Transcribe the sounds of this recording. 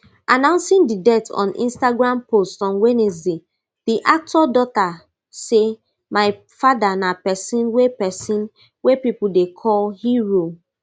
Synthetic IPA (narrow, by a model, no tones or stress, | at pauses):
ʔanãʊ̃nsĩndidɛtʰɔ̰̃nʔḭ̃nstaɡɹãmpostɔ̃nwenizi | d̥iʔak̚tʰɔdɔta | se | maɪ | fadanapɛsĩnwepɛsĩn | wepipudekʰɔlhiɹo